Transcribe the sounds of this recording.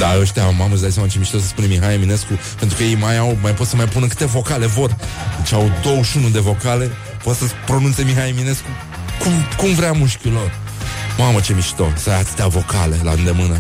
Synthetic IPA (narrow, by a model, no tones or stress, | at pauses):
d̪aəʃt̪eamaməzd̪ajs̬amat͡ʃe̞miʃit̪osəspunemiɦajemineskupe̞nt̪ɾukəjejmajawmajpo̞t̪səmajpunəkɨ̥t̪e̞vo̞kale̞vo̞rd̪et͡ʃawd̪o̞wəʃunud̪e̞vo̞kale̞ | pot̪səpɾo̞nunt̪se̞miɦajemine̞sku | kumkumvɾeamuʃkʲilo̞r | mamət͡ʃe̞miʃt̪o̰sajat̪ɨ̥t̪eavo̞kale̞la̰ɨnd̪emɨnə